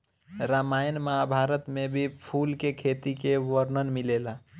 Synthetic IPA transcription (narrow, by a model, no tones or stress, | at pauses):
ɾamajnmaɦabʱaɾət̪mebʱipʰulkekʰet̪ikeʋəɾnənmilela